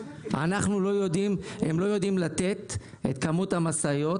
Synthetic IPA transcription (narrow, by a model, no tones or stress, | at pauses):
a̰naχnulo̞jo̞d̪imhemlo̞jo̞d̪imlat̪e̞t̪ | et̪kamut̪hamasajo̞t